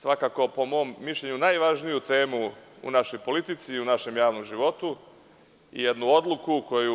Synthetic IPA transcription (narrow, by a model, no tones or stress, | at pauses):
sʋakaːko̞po̞mo̞mːiʃʎe̞ɲunajʋaʒnijut̪e̞ːmuṵnaʃo̞jpo̞lit̪it̪siːunaʃe̞mjaːʋno̞mʒiʋo̞t̪u | ḭjed̪nuo̞d̪lukuko̞ju